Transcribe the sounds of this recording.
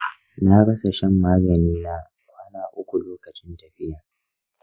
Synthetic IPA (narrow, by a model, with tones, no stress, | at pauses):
naː˦ɽɐ˦sa˨ʃɛ˦mːaː˦ɡɐ˨niː˦naː˦ | waː˦naː˨ʔʷʊ˦kʷu˨loː˦kɐ˨t͡ʃɪ˦ntɐ˨ɸɪ˦jaː˨